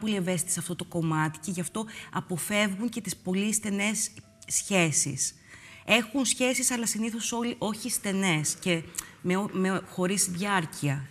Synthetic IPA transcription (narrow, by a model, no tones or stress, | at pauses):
po̞lie̞ve̞sit̪isɐft̪o̞t̪o̞ko̞mɐt̪i̥ce̞ʝɐft̪o̞ɐpo̞fe̞vɣuɲce̞t̪ispo̞list̪e̞ne̞sː | çe̞sḭs | e̞xunsçe̞sisɐlɐsiniθo̞so̞liʔo̞çist̪e̞ne̞scemeomexo̞ɾisðʝɐɾciɐ